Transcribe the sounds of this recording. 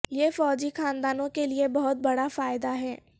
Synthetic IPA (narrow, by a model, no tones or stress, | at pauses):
jeːfɔːd͡ʒixaːnd̪aːnõkeliebɐɦʊt̪̚bɐɽafaːjɪd̪aɦɛː